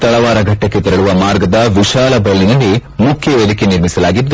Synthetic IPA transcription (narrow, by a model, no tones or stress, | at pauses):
t̪ɐɭɐʋaːɾɐɡʱɐʈːɐkːet̪ɐɾɐɭuʋɐmaːɾɡɐd̪ɐʋiʃaːlɐbɐlːinɐlːimukʰjɐʋed̪ikeniɾmisɐlaːɡid̪ː